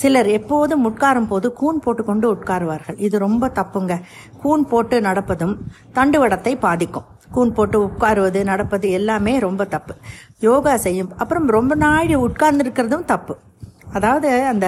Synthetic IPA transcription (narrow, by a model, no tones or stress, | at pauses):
sɪlɐɾɛpːoːðɯmʊʈkaːɾɯmpoːðɯkuːnpoːʈːɯkːɔɳɖɯʊʈkaːɾɯʋaːɾɣɐɭɪðɯɾɔmbɐt̪ɐpːɯŋɡɐ | kuːnpoːʈːɯnɐɽɐpːɐðɯmt̪ɐɳɖɯʋɐɽɐt̪ːɐɪpaːðɪkːɯ̰̃m | kuːnpoːʈːɯʊʈ̚kaːɾɯʋɐðɯnɐɽɐpːɐðɯɛlːaːmeːɾɔmbɐt̪ɐpːɯ̥joːɣɐsɛjːɯmɐpːɯɾɐmɾɔmbɐnaːɽiʊʈ̚kaːɾnd̪ɪɾɯkːɪɾɐðɯmt̪ɐpːɯ | ɐðaːʋɐðɯɐnd̪ɐ